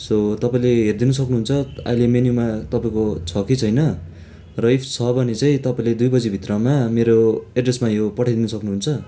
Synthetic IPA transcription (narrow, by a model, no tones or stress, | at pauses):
sot̪ʌpaĩleɦerd̪inʌsʌknuɦunt͡sʰʌa̰ilemenjumat̪ʌpaĩkot͡sʰʌkit͡sʰʌjnʌ | rʌipʰt͡sʰʌbʌnet͡sãĩt̪ʌpaĩled̪ujbʌd͡zibʱit̪rʌmameɾoeɖresmajopʌʈʰajd̪inʌsʌknuɦunt͡sʰʌ